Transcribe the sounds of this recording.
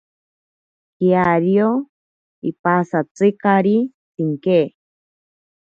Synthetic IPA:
kiaɾjo | ipasat͡sɨkaɾi | t̪iŋke

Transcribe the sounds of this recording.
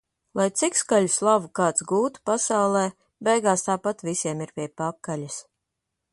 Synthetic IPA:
lˠajt̪sikskaʎuslˠavukaːt̪sɡuːt̪u̥pasawlˠɛː | bɛjɡaːst̪aːpat̪visʲiɛmiɾpʲiɛpakːaʎʲas

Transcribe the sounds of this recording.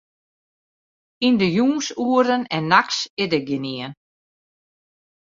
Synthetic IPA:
indəjuːŋsuərdənɛnːaksɪdəɡjɪniən

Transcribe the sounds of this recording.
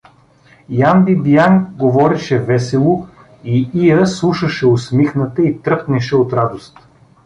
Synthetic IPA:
jambibijaŋɡovɔɾiʃɛvɛsɛlˠo | iijəslˠuʃəʃɛosmixnət̪əit̪ɾɤpnɛʃɛot̪ɾad̪ost̪

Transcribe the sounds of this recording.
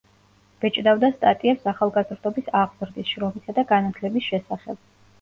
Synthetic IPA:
v̥ɛt͡ʃʼd̪avd̪ast̪ʼat̪ʼiɛpsaχalˠɡazɾd̪ɔbisaʁzɾd̪isʃɾɔmisad̪aɡanat̪ʰlɛbisʃɛsaχɛ̰b̥̚

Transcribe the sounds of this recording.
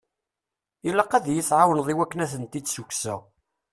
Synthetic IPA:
ilːæqːæðjiθʕawənðˤiwækːənæθənt̪id̪sukːsæ

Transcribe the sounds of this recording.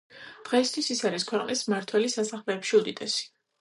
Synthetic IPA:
d̪̥ʁɛːst̪ʰwisisaɾiskʰwɛqʼnismaɾt̪ʰwɛlisasaχlɛːpʃiud̪ʼit̪ʼɛsi̥

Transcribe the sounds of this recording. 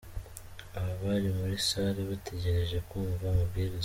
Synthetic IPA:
aβaβaɾimuɾisaɾeβatʰe̞ɟe̞ɾe̞ʒe̞kuːɱvamubɟiɾi

